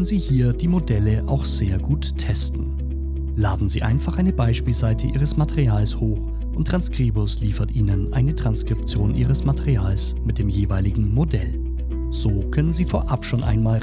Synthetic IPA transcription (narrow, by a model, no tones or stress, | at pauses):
nənziːhiːɐdiːmodɛləʔa̰ʊxz̥eːɐɡuːttʰːɛstn̩ | laːdn̩zḭːʔa̰ɪnfaχʔaɪnəbaɪʃpiːlzaɪtʰəʔiːʁ̞əsmatʰɛʁiaːlshoːx | ʔʊntːʁ̥anskʁ̥iːbʊsliːfɐtʔiːnənʔa̰ɪnətʁ̥anskʁ̥ɪp̚t͡sjoːnʔiːʁ̞əsmatʰɛʁiaːls | mɪt̚d̥eːmjeːvaɪlɪɡŋ̩modɛl | z̥oːkʰœnənziːfoːɐʔapʃoːnʔa̰ɪnmaːl